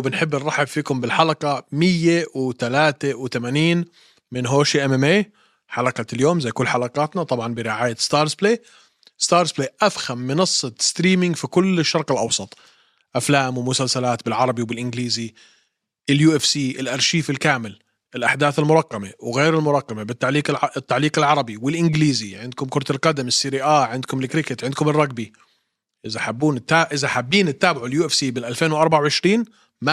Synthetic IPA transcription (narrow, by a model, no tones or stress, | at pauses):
bɪnħɪbːɪnrˤɑħɪbfiːkʊmbɪlħalɑqɑmɪjːewt̪alaːt̪ewt̪amaːniːn | mɪnɦoːʃiʔamɛmʔeː | ħalɑqɑt̪ljoːmzajkʊlːħalɑqɑːt̪nat̪ˤɑbʕɑnbɪɾɪʕaːjast̪ɑːɾˤzbleː | st̪ɑːɾˤzpleːʔafhamːɪnɑsˤːɑst̪ɾiːmɪŋɡfikʊlːɪʃːɑɾˤqɪlʔɑwsˤɑt̪ˤ | ʔaflaːmwɪmʊsalsalaːt̪bɪlʕɑɾˤɑbiwbɪlʔɪnɡliːzi | ʔɪljuːʔɪfsiːʔɪlʔɑɾˤʃiːfɪlkaːmɪl | ʔɪlʔaħd̪aːθɪlmʊɾˤɑqːɑmewɣeːɾɪlmʊɾˤɑqːɑmebɪt̪ːaʕliːqɪt̪ːaʕliːqɪlʕɑɾˤɑbiwɪlʔɪnɡliːziʕɪnd̪̚kʊmkʊɾˤt̪ɪlqɑd̪amɪsːiɾiʔaːʕɪnd̪̚kʊmɪlkɾɪkɪt̪ʕɪnd̪kʊmɪrˤːɑɡ̚bi | ʔɪzaħabːuːnɪt̪ːaːʔɪzaħabːiːnɪt̪ːaːbɪʕʊljuːʔɪfsiːmɪnʔalfeːnwʔɑɾˤbaʕawʕɪʃɾiːn | ma